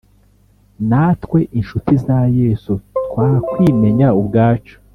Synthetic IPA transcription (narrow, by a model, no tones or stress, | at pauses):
naːtkwe̞ʔinʃutizaje̞ːsutkwaːkwime̞ɲaubɡaːt͡ʃo̥